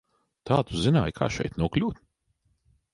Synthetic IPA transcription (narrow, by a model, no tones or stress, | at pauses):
t̪aːt̪uzinaːjkʰa̰ːʃɛ̰jt̪nuɔklʲuːt̪